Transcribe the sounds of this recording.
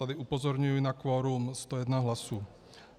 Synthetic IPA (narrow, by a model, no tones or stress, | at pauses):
ad̪iupɔzɔɾɲujunakʋɔːɾuːmst̪ɔjɛd̪naɦlasuː